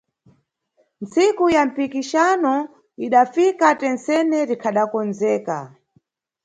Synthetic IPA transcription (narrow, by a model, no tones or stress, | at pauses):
nt͡sikujam̩pikiʃanɔ | iɗafikatɛnsɛnɛɾikʰaɗakɔnzɛːka̰